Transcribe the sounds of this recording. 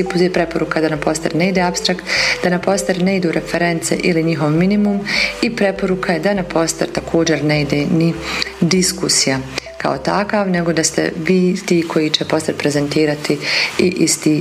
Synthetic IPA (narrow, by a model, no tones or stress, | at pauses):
ipuepɾe̞po̞ɾukad̪anapo̞st̪aɾneid̪eːapst̪ɾakt̪d̪anapo̞st̪aɾne̞id̪uːɾʔefeɾe̞nt̪sḛʔiliɲiɦoʋminimumipɾe̞po̞ɾukʰajed̪anapʰo̞st̪aɾt̪akʰo̞ːd͡ʑe̞ɾneid̪eːnid̪iskusijaka̰ot̪akaːʋne̞ɡo̞d̪ast̪ḛʋiːt̪iːkʰo̞jit͡ɕepo̞st̪aɾpɾeze̞nt̪iːɾat̪iiʔist̪iː